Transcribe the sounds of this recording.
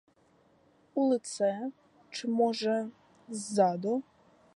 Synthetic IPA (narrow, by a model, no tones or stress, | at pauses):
ulˠɪt̪sɛ | t͡ʃɪmɔʐɛ | zːad̪ɔ